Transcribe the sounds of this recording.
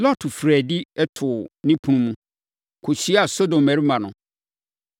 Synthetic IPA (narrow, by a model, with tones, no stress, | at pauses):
lɔ˦tʰʊ˨fɾɛ˨di˦ɛ˦tʰʊ˨nɪ̃˦pʰũ˨nũ˦mũ˦ | kʰʊ˨ɕi˦a˨so˦dõ˨mæ˨ɾi˦mã˨nʊ̃˨